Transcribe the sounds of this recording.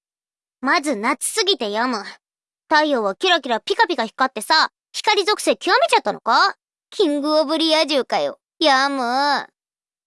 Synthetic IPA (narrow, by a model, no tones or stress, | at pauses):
mazɨnat͡sɨ̥sɨɡʲit̪e̞jamɯ̟ | t̪aijo̞ːβakʲiɾak̬ʲiɾapʲikapʲiɡaçi̥kːat̪ːe̞sa | çi̥kaɾʲizo̞kɯ̟̥se̞ːkʲiβame̞t͡ɕat̪ːano̞̰ka | kʲʰĩŋɡɯ̟obɯ̟ɾʲijaʑɨːkajo | jamɯ̟